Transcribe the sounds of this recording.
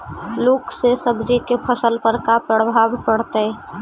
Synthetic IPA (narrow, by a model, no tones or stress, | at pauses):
loksesəbd͡ʒikepʰəsəlpəɾkapɾəbʱabpəɽt̪əj